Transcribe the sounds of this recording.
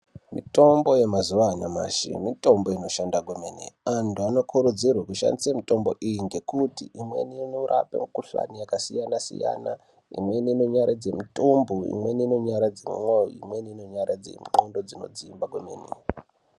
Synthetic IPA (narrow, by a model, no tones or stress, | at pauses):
mito̞mbo̞je̞mazuʋanama̰ʃḭmito̞mbo̞ino̞ʃandaɡʱome̞nḛantuano̞kʰuɾud͡zirwakuʃa̰ndisamito̞mbo̞ʔijiŋɡe̞kutiʔimwe̞̰ninorʔa̰pḛmukuɬa̰nijakasijanasḭja̰na | ḭmweniino̞ɲaɾʔad͡ze̞mitumbuḭmwe̞niːno̞ɲaɾad͡zḛmṵmwojḭmwe̞niino̞ɲarad͡zḛmuŋ͡ǃondo̞d͡zino̞̰d͡ziːmbaɡʱomeːnḛ